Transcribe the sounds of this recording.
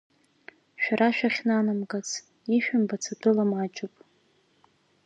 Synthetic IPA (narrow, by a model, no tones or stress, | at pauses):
ʃᶣaɾaʃᶣaχʲnanamɡʼat͡sʰ | iʃᶣambat͡sʰadʰʼʊlamat͡ʃʼɪpʼ